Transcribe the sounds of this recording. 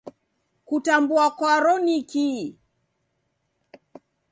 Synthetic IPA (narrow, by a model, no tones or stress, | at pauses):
kutambuakwaɾɔniki